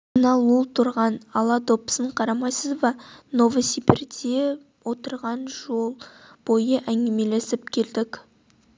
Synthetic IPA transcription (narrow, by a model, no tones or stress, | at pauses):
nɑlˠulˠt̪ʰʊɾʁɑnɑlˠɑd̪o̞psəɴqʰɑɾɑmɑjsəzvɑno̞vəsipɪɾd̪e | wo̞t̪əɾʁɑnʒo̞lˠb̥o̞jəʔæŋɡʲɪme̞le̞sɪp̚kʲʰe̞ld̪ɪkʲ